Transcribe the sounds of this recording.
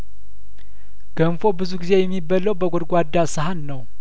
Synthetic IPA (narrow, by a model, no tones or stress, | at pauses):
ɡ̥əmfo̞bɨzuɡize̞jɛmːibələwbəɡʷod̪ɡʷad̪ːasəɦanːəw